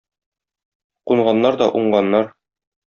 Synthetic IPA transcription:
quɴʁɑnːɑɾd̪ɒʔuɴɢɑnːɑɾ

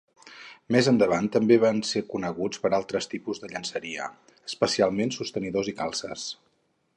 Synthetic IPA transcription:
mezənd̪əβ̞ant̪ːəmbeβ̞ansekunəɣut͡spəɾalˠt̪ɾəst̪ipuzðəʎənsəɾiə̰ | əspəsialˠmensust̪əniðozikalˠsə̰s

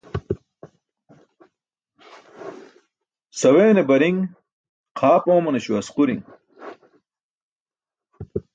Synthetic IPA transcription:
sɐweːnebɐɾiŋ | qʰaːpoːmɐneɕuɐsquɾiŋ

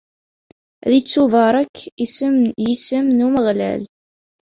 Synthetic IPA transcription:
ðit͡sːuvəɾˤækʰː | jisəmnuməʁlæ̰l

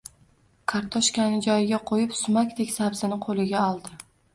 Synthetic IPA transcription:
kʰɑɾt̪ʰɒʃkʲanɪd͡ʒɒjɪɡʲaqʰojɪpsʊmakʲd̪ekʲsabzɪnɪqʰolˠɪɡʲaɒlˠd̪ɪ

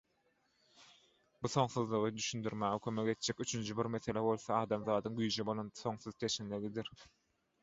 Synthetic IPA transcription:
buθo̞ŋθɯðlˠuʁɯd̪yʃynd̪yɾmæʁekʰøme̞ke̞t̪̚d͡ʒ̥ekyt͡ʃʰynd͡ʒibiɾme̞θe̞lʲebo̞lˠθɑɑːd̪ɑmðɑːd̪ɯŋɡyjd͡ʒebo̞lˠonθo̞ŋθɯðt͡ʃʰe̞ʃinleɡid̪iɾ

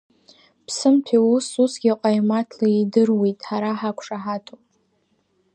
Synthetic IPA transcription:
pʰsɨmtʰiususɡʲiqʷʼajmatʰlaidɨrwe̞jtʼħaɾaħakʷʰʂaħatʰʼopʼ

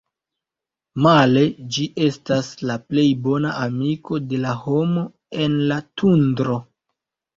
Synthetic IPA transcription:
male̞d͡ʒiʔe̞staslaple̞jbo̞naʔamiko̞de̞laho̞mo̞ | e̞nlatundɾo̞

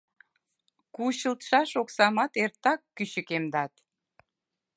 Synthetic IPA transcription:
kuɕəlt̪ʃɑʃoksɑmɑt̪ert̪ːɑkːyɕəkemd̪ɑt̪

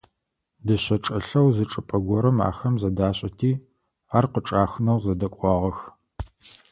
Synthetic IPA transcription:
dɨɕɐʈ͡ʂʼɐɬɐwzɨʈ͡ʂʼɨpʼɐɡʷɔɾɐma̰ːxɐmzɐdaːɕʼɐtʰiː | aːrqəʈ͡ʂʼaːxnɐwzɐdɐkʷʼɑːʁɐx

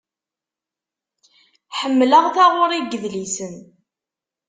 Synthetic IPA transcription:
ħəmːləʁθaʁʊɾˤiɡəðlisən

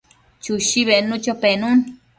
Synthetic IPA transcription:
t͡ʃuʃiβenũt͡ʃopenũn

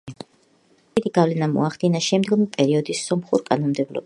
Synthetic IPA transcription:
id̪iɡavlɛnamɔ̰aχd̪̥inaʃɛmd̪ɡɔmipʼɛɾiɔd̪isːɔmχuɾkʼanɔnmd̪ɛblɔ̰b

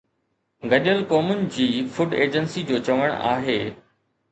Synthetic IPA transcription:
ɡɐʄəlkɔːmʊnɪ̆d͡ʑiːfʊɖeːd͡ʑənsid͡ʑoːt͡ɕɐʋəɽ̃a̰ːɦeː

